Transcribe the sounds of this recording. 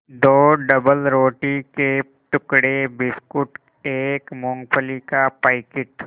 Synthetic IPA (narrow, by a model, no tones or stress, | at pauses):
d̪oːɖəbəlɾoːʈike | ʈʊkɽebɪskʊʈ | eːkmõːŋɡpʰəlikapaɪkɪʈ